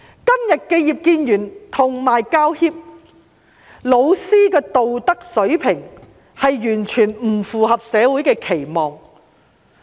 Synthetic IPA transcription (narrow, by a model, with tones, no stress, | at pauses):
kɐ˥mjɐ˨t̚ke˧jiː˨p̚kiː˧njyː˨˩nt̪ʰʊ˨˩ŋmaː˨jkaː˥whiː˥p̚ | lo˨˧wsiː˥kɛː˧t̪o˨wt̪ɐ˥k̚sɵ˨˥ɥpʰɪ˨˩ŋ | hɐ˨jːyː˨˩nt͡ʃʰyː˨˩nm̩˨˩fuː˨hɐ˨p̚sɛː˨˧wuː˨˥jkɛː˧kʰe˨˩jmɔː˨ŋ